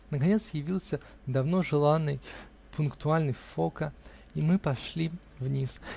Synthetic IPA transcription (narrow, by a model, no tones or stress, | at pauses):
nəkɐnʲe̞t̪sjɪvʲilˠsʲə | d̪ɐvno̞ʐɨlˠanːɨj | pʰʊnkt̪ʊalʲnɨjfo̞kə | imɨpɐʂlʲi | vnʲis